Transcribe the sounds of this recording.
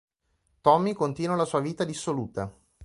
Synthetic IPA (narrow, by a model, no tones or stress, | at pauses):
t̪ɔmːikont̪iːnwalasuːaviːt̪ad̪isːoluːt̪a